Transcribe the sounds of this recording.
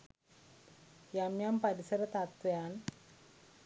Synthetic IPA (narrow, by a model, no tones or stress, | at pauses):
jamjampɐɾisɐɾɐt̪at̪ʋɐjaːn